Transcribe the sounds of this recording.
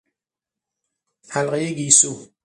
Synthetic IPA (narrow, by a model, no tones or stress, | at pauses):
halɢejeɡiːsu